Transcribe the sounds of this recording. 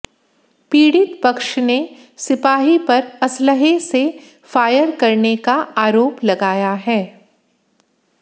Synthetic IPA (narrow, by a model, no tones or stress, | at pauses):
piːɽɪt̪pɐkʃne | sɪpaːɦipɐɾɐsləɦese | faːjəɾkɐɾnekaaːɾoːplɐɡaːjaɦɛː